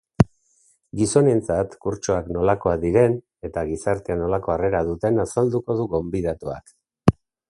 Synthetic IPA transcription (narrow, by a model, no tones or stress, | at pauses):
ɡiso̞ne̞nt͡sat̪kuɾt͡ʃo̞akno̞lako̞aðiɾe̞n | e̞t̪aɣisaɾt̪eano̞lako̞are̞ɾað̞ut̪e̞nasald̪uko̞ð̞uɣo̞mbið̞at̪ua̰k